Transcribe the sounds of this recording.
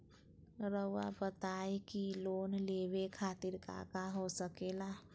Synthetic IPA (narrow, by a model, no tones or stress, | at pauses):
ɾəʊa̰bət̪aːekiloːnleːʋekʰaːt̪ɪɾka̰kaɦosəkeːlaː